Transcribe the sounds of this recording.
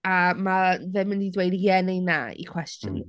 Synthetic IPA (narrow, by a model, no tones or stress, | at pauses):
amavɛmɪnidwejdijɛnejna̰ḭkʰw̥ɛstjɔ̰n